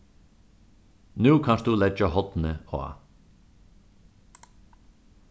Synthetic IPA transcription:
nʉːkʰɑnʃd̪ʉːlɛd͡ʒəhɔt̪n̩əo̰ːɑ̰

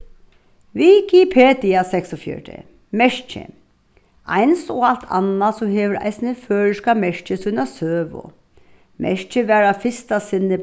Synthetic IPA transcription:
ʋikipʰeːd̪ɪasɛksɔfjœ̰ɖə̰ | mɛʂt͡ʃə̰ | ʔæ̰ɪnsɔalt̪ʰa̰nːasɔheːʋəɾæ̰ɪsnəføːɹəʂkamɛʂt͡ʃəsʉnasøːʋʊ̰ | mʔɛ̰ʂt͡ʃəʋæːɹafɪst̪asɪnːə

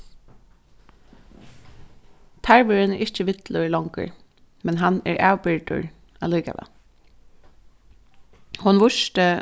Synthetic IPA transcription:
t̪ʰæɹʋəɹɪnʔɪt͡ʃəʋɪt̪lʊlɔŋkə̰ɹ | mɛnɦanɛ̰ɹʔæːwbɪɹʈʊ̰ɹ | aːluːka̰ʋɛ̰ | hʊnʋʊʃtə

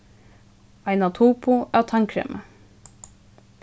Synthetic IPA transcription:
ʔɑɪnɑt̪ʰuːpʰʊʔæːt̪ʰɑŋkʰɾɛ̰ːmʔə

